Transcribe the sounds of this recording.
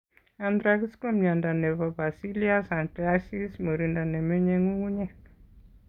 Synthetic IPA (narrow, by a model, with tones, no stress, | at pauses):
a˨nd̪ɾa˦ki˦sko˦ma˨nda˨nɛ˨va˨ba˨si˦li˦a˦sa˨nʈɛa˦si˦smə˨ɾi˨nda˨nɛ˨me˦ɲe˦ŋu˦ŋu˦ɲɛ˦